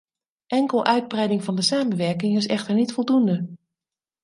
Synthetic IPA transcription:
ʔɛŋkəlˠʔœɥd̚brɛjdɪŋvɑndəsaːmənʋɛɹkɪŋɪsɛχtəɹnitfɔlˠdundə

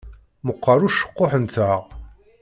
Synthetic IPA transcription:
məqːɑɾuʃə̥qːoħənt̪əʁ

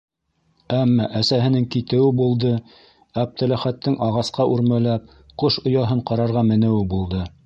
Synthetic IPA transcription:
æmːɑʔæsæhɘ̆nɘŋkit̪ɘ̆wɘbulˠd̪ɤ | æp̚t̪æ̆læχæt̪ːɘŋʔɑʁɑsqɑʔʉɾmælæp̚ | qoʃŏjɑɦɤɴqɑɾɑɾʁɑmɘ̆nɘ̆wɘbulˠd̪ɤ

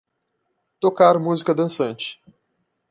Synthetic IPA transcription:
t̪okaɾmuzikɐd̪ɐ̃sɐ̃nt͡ʃɪ̥

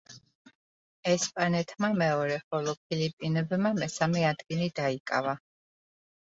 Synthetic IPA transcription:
ɛspʼanɛt̪ʰmamɛɔɾɛχɔlˠɔpʰilipʼinɛbmamɛsamɛad̪ɡʼinid̪aikʼa̰va

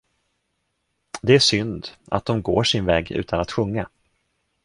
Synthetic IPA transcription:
d̪ɛæʂʏnd̪a̰t̪̚d̪ɔmɡoːʂɪnvɛːɡʉ̟̰ːt̪ʰanat̪ɧɵŋːa

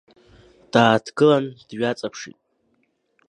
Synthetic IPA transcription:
d̥aːtʰɡɨlandɥat͡sʼapʰʂḭtʼ

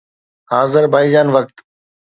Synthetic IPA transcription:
ɦaːzəɾbʱaːid͡ʒaːnʋək̚t̪

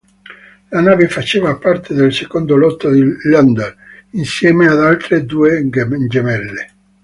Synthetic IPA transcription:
lanaːvefat͡ʃeːvapart̪ʰed̪elsekond̪olɔt̪ːad̪iːand̪alinsjɛːmead̪alt̪ɾed̪uːeɡnd͡ʒemɛlːe

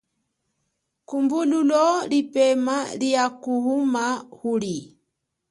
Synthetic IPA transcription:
kumbululɔlipɛmaliakuhumahuli

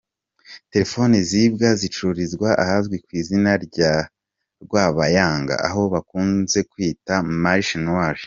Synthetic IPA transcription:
te̞ɾe̞fo̞nizibɡazit͡ʃuɾizɡwaʔahazɡwikwiːzinaɾɟa | ɾɡwaːβajaːŋɡa̰ʔa̰ɦo̞βakuːnze̞kwiːtamaɾiʃinwaʒ

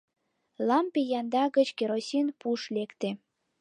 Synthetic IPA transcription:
lɑmpejɑnd̪ɑɣət͡ɕkeɾosʲinpuʃlekt̪e

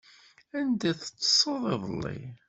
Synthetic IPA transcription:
ænd̪æθə̥t͡sːə̥sˤːəðˤɪðˤəlːḭ

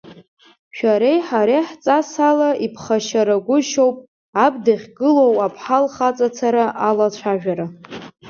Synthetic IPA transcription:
ʃᶣaɾejħaɾeħt͡sʼasalaʔipʰχaʃaɾaɡʷʊʃowpʼ | abdaχʲɡɨlo̞wapʰħalχat͡sʼat͡sʰaɾaʔalat͡ɕʷʰaʒᶣaɾa

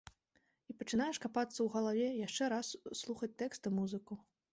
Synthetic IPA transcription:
ipɐt͡ʂɨnajɛʂkapat̪sːɐwɣɐlˠavʲɛjaʂt͡ʂɛɾasːlˠuxɐt͡sʲt̪ɛkst̪ɨmuzɨku

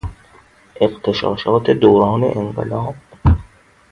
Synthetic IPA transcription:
ʔeqt̪ʰeʃɒ̰ːʃɒːt̪ʰed̪oːɾɒːnḛʔeɴɢḛlɒːb̥̚

